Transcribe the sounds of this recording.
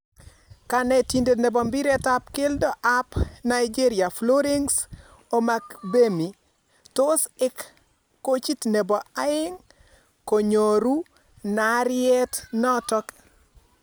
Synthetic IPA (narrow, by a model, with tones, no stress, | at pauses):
ka˨nɛti˨nde˨ne˨bɔ˨mbi˦ɾɛ˦ta˦pke˦ldɔ˦ʔa˦pna˨jd͡ʒi˦ɾɪa˨flo˦ɾe˦ŋs | o˦ma˦kbe˦mi˨ | to˦sɪ˦kː | o˦t͡ʃi˦tne˨bɔ˨a˦ɪ˦ŋ | ko˨ɲo˨ɾu˦ | naɾɪɛ˦tnɔ˦tɔ˦k